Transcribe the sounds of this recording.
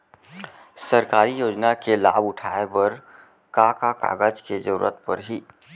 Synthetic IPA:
səɾkaːɾijoːd͡ʒnakelaːbʊʈʰaːebəɾ | kakaka̰ːɡəd͡ʒked͡ʒəɾṵːɾə̰t̪̚pəɾɦiː

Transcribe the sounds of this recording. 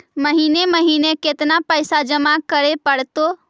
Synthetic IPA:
məɦineməɦineket̪napəɪsad͡ʒəmakəɾepəɽt̪o

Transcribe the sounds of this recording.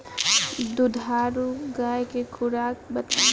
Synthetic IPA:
d̪ud̪ʱaːɾuɡaekekʰʊɾaːk̚bət̪

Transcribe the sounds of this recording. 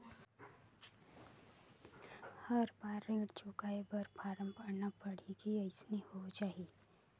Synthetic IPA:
həɾbaːɾːeʈt͡ʃʊkaːebəɾpʰaːɾə̃mpəɾnapəɽ̤ikiəɪsnihod͡ʒaːɦi

